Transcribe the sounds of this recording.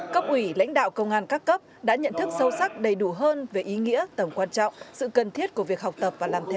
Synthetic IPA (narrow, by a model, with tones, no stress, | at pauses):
kə˦˥p̚ʔwi˧˩la̰˧˥jŋ̟ɗa̰ː˧˨wkə˧wŋ͡mʔaː˧nkaː˦˥kːə˦˥p̚ɗa̰ː˧˥ɲə̰˧˨nt̪ʰɨ˦˥k̚sə˧wsa˦˥k̚ɗə˨˩jɗu˧˩ɦəː˧nve˨˩ʔi˨˦ŋḭ˧˥ət̪ə˧˩mkwaː˧nt͡ɕɔ̰˧˨wŋ͡msɨ̰˧˨kə˨˩nt̪ʰi˦˥ət̚ku˧˩əvi˨˩ək̚ha˨˩wk͡p̚t̪ə˨˩p̚vaː˨˩laː˨˩mt̪ʰe˧